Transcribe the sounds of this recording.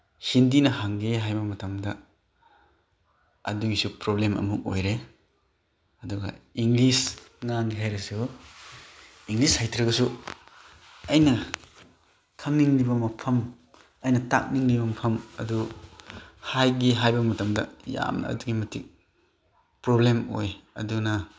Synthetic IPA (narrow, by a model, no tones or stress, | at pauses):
hindinɐɦaŋɡiɦajbɐmɐtʰɐmdɐ | ɐ̰duɡisupɾoblemɐ̰muk̚o̰jɾe | ɐduɡɐ̰iŋlisŋaŋɡiɦajɾesu | iŋɡlishajtʰɾɐɡɐsu | ɐjnɐ | kʰɐŋniŋlibɐmɐpʰɐm | ɐjnɐta̰k̚niŋlibɐmɐpʰɐmɐ̰du | hajɡiɦajbɐmɐtɐmdɐ̰ja̰mnɐ̰ːduɡimɐtʰik̚ | pɾoblemo̰jɐ̰dunɐ